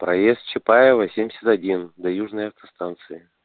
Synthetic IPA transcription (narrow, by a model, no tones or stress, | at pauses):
pɾɐjest̪̚t͡ɕɪpajɪvəsʲemʲdʲɪsʲɪt̪ɐdʲind̪ɐjuʐnəjɐft̪ɐst̪ant̪sɨɪ